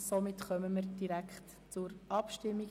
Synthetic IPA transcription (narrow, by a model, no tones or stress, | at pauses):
somɪtχœməmiːɾd̥iɾækχt | t͡sʊɾʔɑpʃtɪmːi